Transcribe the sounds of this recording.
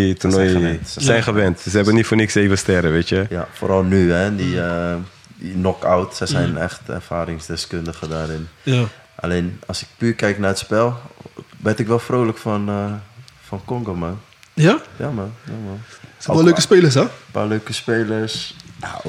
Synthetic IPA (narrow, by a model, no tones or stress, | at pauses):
itənɔjəɛntsəsɛjnxəʋɛntsəɛbənitfoːnɪkseːvəstɛɾəʋeːtjəjafo̰ːɾɔlˠnyɛdiə | dinɔkawtsɛjsɛjnɛ̰xtɛ̰rfaːɾɪŋsdɛskøndəɣədaːɾɪn | ʔa̰leːnɔsɪk̚pyːkɛjknaətspɛlˠbɛtɪkʋɛlˠfroːləkfɔn | fɔnkɔŋɡoman | jajaməjaməsøkəspeːləsɛpa̰løːkəspeːləsja̰o